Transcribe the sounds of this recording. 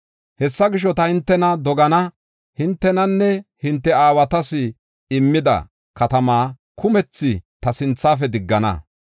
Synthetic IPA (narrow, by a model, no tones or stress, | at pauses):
hɛsːɐɡɪʃ̬ɔt̪ɐhɪnt̪ːɛnɐd̪ɔɡɐnɐ | hɪnt̪ːɛnɐnːɛhɪnt̪ːɛaːwɐt̪ɐsɪ | ɪmːɪd̪ɐ̰ | kɐt̪ɐmaː | kʰʊmɛt͡sːɪt̪ɐsɪnt͡sːaːfɛd̪ɪɡːɐnɐ̰